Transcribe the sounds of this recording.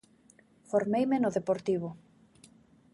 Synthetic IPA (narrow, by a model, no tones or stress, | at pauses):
foɾmejmenoðepoɾt̪iβʊ